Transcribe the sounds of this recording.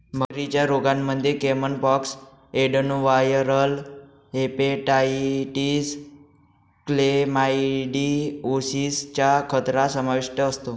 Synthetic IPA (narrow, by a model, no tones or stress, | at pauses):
məɾit͡ɕjaɾoɡanməd̪ʱjekemənpɔks | eɖənuʋajəɾəl | ɦepeʈaiʈis | klemaiɖiosist͡ɕakʰət̪ɾasəmaʋiʂʈəəst̪o